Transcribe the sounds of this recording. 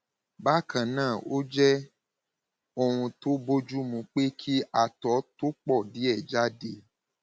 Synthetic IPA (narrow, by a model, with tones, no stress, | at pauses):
ba˦kʰã˨nãː˦˨o˦d͡ʒɛ˦ | o˧ɾ̃ũ˧to˦bo˦d͡ʒu˦mũ˧˦k͡pe˦kʰi˦a˦˨tɔ˨˦to˦k͡pɔ˦˨di˨˦ɛ˦˨d͡ʒa˦de˧